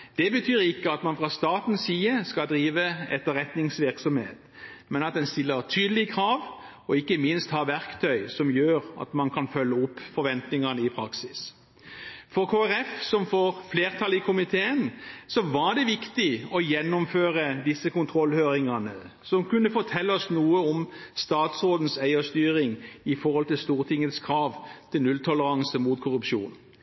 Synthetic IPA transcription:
d̪̥ɛbət̪ʰyːɾɪkːəɑt̪mɑnfʁɑst̪ɑːt̪n̩siːəskɑd̪ɾiːʋəɛt̪ːəɾɛt̪nɪŋsʋɪʁksɔmhḛːt̪ | mɛnɑt̪̚d̪ɛnst̪ɪlːəʁt̪ʰyːd̪əlɪkʰɾɑːʋ | ɔɪkːəmɪnst̪hɑːʋæʁkt̪ʰœʏsɔmjøːʁɑ̰t̪mɑnkʰɑnfœlːəɔpːfɔɾʋɛnt̪nɪŋɑnəɪpʰɾɑksɪs | fɔɾkʰoːæɾɛfsɔmfoːɾfleːʁt̪ʰɑlɪkʰʊmɪt̪ʰeːənsɔʋɑɖ̪ɛʋɪkt̪ɪɔjɛnːʊmføːɾəd̪ɪsːəkʊnt̪ʰɾɔlːhøːɾɪŋɑnə | sɔmkʉnːəfɔt̪ʰɛlːəɔsnuːəɔmst̪ɑːt̪sʁoːd̪n̩sæɪɔst̪yːɾɪŋɪfɔʁhɔlt̪ɪlst̪uːʁt̪ʰɪŋːət̪skʰɾɑːʋt̪ʰɪlnʉlt̪ʰɔləɾɑŋsəmuːt̪kʰʊʁʉpʃṵːn

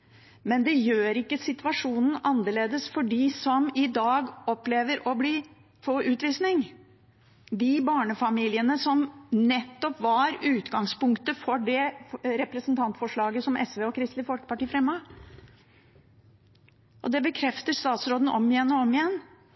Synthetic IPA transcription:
mɛnd̪ɛjøːɾɪkːəsɪt̪ʋɑʂuːnn̩ʔɑnːəɭeːd̪əsfɔɖɪsɔmɪd̪ɑːɡɔpleːʋəɾɔbliː | foʔʉːt̪ʋiːsnɪŋ | d̪ɪbɑːɳəfɑmiːlɪənəsɔmnɛt̪ːɔpʋɑɾʉːt̪ɡɑŋspʊŋkt̪əfɔɖɛɾɛpɾəsnt̪ʰɑnt̪fɔʂɭɑːɡəsɔmʔɛ̰sʋeːɔkʰɾɪst̪lɪfɔlkə̥pɑʈiːəfɾɛmːɑ | ʔɔd̪ɛbəkʰɾɛft̪əʂt̪ɑːt̪sɾoːd̪n̩ʔɔ̰mɪjɛnːɔɔmɪjɛn

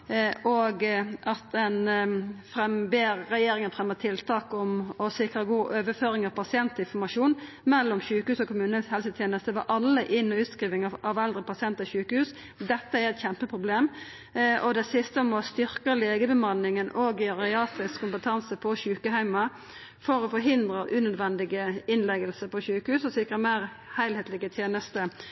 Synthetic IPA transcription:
ɔɡɑt̪ɛnfɾɛmbeːɾːɛjeːɾɪŋənfʁɛmːət̪ʰɪlt̪ʰɑːkɔmɔsɪkɾəɡuːʔøːʋəføːɾɪŋɑʋpʰɑsɪɛnt̪lɪfɔmɑʂuːn | mɛlːɔmɕʉːkəhʉːsɔkʊmʉːnəhɛlsət̪ʰjeːnəst̪əʋɑʔɑlːəʔɪnːɔʉːt̪skʁiːʋɪŋɑʔɑʋɛld̪ɾəpʰɑsɪɛnt̪ɪɕʉːkəhʉːs | d̪ɛt̪ːəæɾɛt̪çɛmpəpʰʁʊbleːm | ɔd̪ɛsɪst̪əmɔst̪ʏɾkəleːɡəbəmɑnɪŋənʔoːɡɪɑʁɪɑːt̪ʁɪskʰːʊmpət̪ʰɑnsəpʰɔɕʉːkəhæɪmɑ | fɔɾɔfɔɾɦɪnd̪ɾəʔʉːnœd̪ʋɛnd̪ɪɡəɪnlɛɡəlsəpʰɔɕʉːkəhʉːsɔsɪkʁəmæːɾ | hæɪlheːt̪lɪɡət̪ʰjeːnəst̪ə

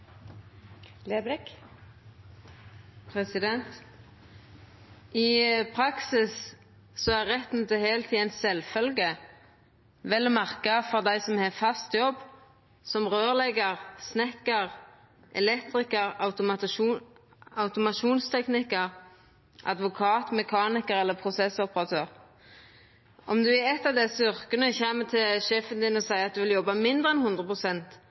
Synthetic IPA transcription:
lebɾɪk | pʰʁɛsɪd̪ɛnt̪ | ɪpʰʁɑksɪs | sɔæʁʁɛt̪nət̪ɛheːlt̪ʰiːænsɛlfœlɡə | ʋɛlːmɑʁkɑfɔʁd̪æɪsɔmheːfɑst̪jɔb | sɔmʁøːʁlɛɡəʁsnɛkəʁ | ʔɛ̰lɛkt̪ɾɪkəʁɑ̰ʊt̪ʊmɑ | ɑʊt̪ʊmɑʃuːnst̪ʰɛknɪkəʁ | ʔɑ̰d̪ʋʊkʰɑːt̪mɛkʰɑːnɪkəɾɛlːəpʰɾʊsɛsɔpəʁɑt̪ʰøːʁ | ʔɔmd̪ʉæɛt̪ːɑʋd̪ɛsʏʁkənəçæːmət̪ʰɪlʃeːfənd̪ɪnɔsæɪɑt̪̚d̪ʉʋɪljɔbːɑmɪnd̪ʁəɛnhʉnd̪ʁəpʰʁʊsɛnt̪

